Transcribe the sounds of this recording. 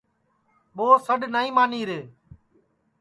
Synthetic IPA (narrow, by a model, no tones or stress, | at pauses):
ɓoːsəɗnaːĩːmaːniːɾeː